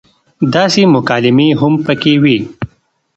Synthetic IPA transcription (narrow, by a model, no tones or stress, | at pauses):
d̪ɑːsimʊkɑːlɪmeɦʊmpəkewi